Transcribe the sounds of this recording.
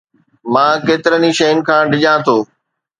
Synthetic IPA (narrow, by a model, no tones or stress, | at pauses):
mãːkeːt̪ɪɾəniʃejʊnɪ̆kʰãːɖʱɪʄãːt̪ʰoː